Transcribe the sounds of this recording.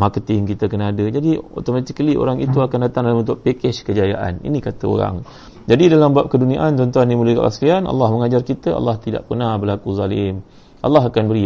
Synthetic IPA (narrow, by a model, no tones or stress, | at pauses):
markət̪ɪŋkit̪əkənaadəd͡ʒadio̰t̪omat̪ikliʔo̰ɾaŋit̪uakandat̪aŋdalamənt̪ʊʔpekɛt͡ʃkəd͡ʒajaʔa̰nḭnĩkat̪əo̰ɾa̰ŋ | d͡ʒadidalambuap̚kədunia̰ʔant͡ʃɔnt̪uanːimələikə̰ʔa̰sliana̰lːahməŋad͡ʒarkit̪əʔa̰lːaht̪ida̰ʔpənahbəlakuzalɪm | ʔa̰lːaɦakanbəɾi